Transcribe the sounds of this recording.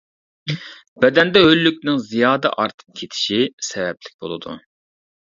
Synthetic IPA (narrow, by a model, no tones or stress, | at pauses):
bɛd̪ɛnd̪ɛɦølːykʲnɪŋzijɑːd̪ɛ̰ʔɑɾt̪ʰɨ̥p̚kʲʰet̪ʰɪ̥ʃisɛvɛplɪk̚ʲbo̰lˠɨd̪ṵ